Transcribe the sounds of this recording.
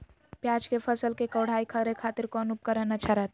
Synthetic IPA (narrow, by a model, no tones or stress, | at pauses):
pjad͡ʒkepʰəsəlkekəwɽ̤aikʰəɾekʰat̪iɾkɔnup̚kəɾənət͡ʃʰəɾət̪ʰ